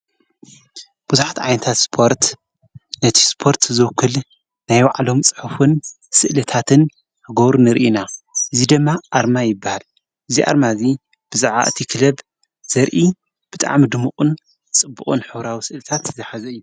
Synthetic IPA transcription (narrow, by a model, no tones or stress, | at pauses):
b̥uzuħat̪ʕajnɐt̪ʰat̪spʰo̞ɾt̪ | nɐt̪ʰi̥spʰo̞ɾt̪zɨwkʰːɨl | najwaʕlo̞mt͡sʼɨ̥ħufɨn | sɨʔlɐt̪ʰat̪ʰɨn | hɨɡoβɾunɨɾʔinaʔɨzid̪ɨmːaʔaɾmajɪbːahal | ʔɨziʔa̰ɾmazi | b̥ɨzaʕa̰ʔɨt̪ʰikʰɨlɐb | z̥ɐɾʔi | b̥ɨt̪ʼa̰ʕmid̪ɨmuqʼun | t͡sʼɨbːuqʼunħɨβɾawisɨʔlɨt̪ʰat̪zɨħazɐɨjːu